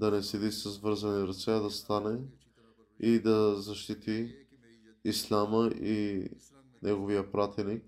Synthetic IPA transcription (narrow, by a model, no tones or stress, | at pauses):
d̪ɐnɛsɛd̪isəzvɤɾzɐniɾɐt̪sɛd̪ɐst̪anɛ | id̪ɐzɐʃt̪it̪iː | slʲaməʔi | nɛɡovijəpɾat̪ɛnik̚